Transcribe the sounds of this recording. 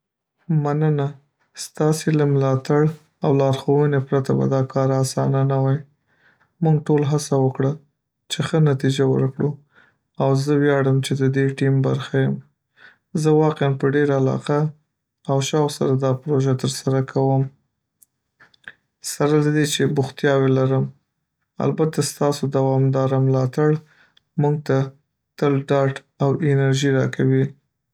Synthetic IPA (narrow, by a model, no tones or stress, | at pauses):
manəna | st̪ɑselamlɑt̪aɽ | awlɑɾxowənepɾat̪aba̰d̪ɑkɑɾasɑnanawaj | muŋɡʈolɦasawəkɽa | t͡ʃexənat̪id͡ʒawə̰ɾkɽu | awzəwjɑɽəmt͡ʃed̪əd̪eʈimba̰ɾxajəm | zəwɑqeanpəɖeɾaalɑ̰qa | awʃɑwsa̰ɾad̪ɑpɾoʒat̪əɾsaɾakʰawəm | saɾalad̪et͡ʃebʊxt̪jɑwelaɾəm | a̰lbat̪ast̪ɑsod̪awɑmd̪ɑɾamlɑt̪aɽ | muɡ̚t̪a | t̪əlɖɑʈ | awʔɪnaɾʒiɾɑkʰawi